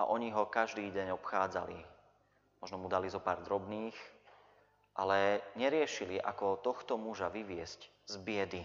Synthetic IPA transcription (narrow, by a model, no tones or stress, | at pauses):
a̰ʔɔɲiɦɔkaʒd̪iːɟɛɲɔpxaːd͡za̰lḭ | mɔʒnɔmud̪alizɔpaːɾd̪ɾɔbniːx | ʔa̰lɛɲɛɾɪɛʃiliʔa̰kɔt̪ɔxt̪ɔmuʒaʋiʋɪɛsc | zbɪɛd̪i